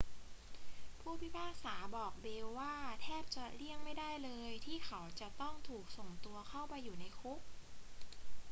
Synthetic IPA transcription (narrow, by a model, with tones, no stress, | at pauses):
pʰuː˥˩pʰi˦˥pʰaː˥˩k̚saː˩˦bɔː˨˩k̚beː˧wːaː˥˩t̪ʰɛː˥˩p̚t͡ɕa˨˩li˥˩əŋma˥˩jda˥˩jlɤː˧jt̪ʰiː˥˩xʰa˩˦wt͡ɕa˨˩t̪ɔ˥˩ŋt̪ʰuː˨˩k̚so˨˩ŋt̪u˧ɐkʰa˥˩wpa˧jːuː˨˩na˧jkʰu˦˥k̚